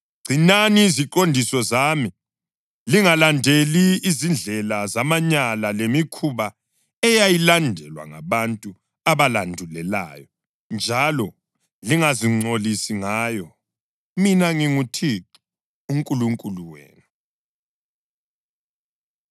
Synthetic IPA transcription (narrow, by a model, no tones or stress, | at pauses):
ɡ͡ǀ̥ʱinaniːziǃondʱisɔzami | liŋalandʱeliːzind͡ɮʱɛlazamaɲalalemikʰuβa | ɛjajilandʱɛ̰lwa̰ŋa̰βantʼu | aβalandʱulɛla̰ːjɔ | nd͡ʒʱalɔ | liŋaziŋ͡ǀʱolisiŋajɔ | minaŋiŋutʰi | uŋkʼuluŋkʼuluwḛːnu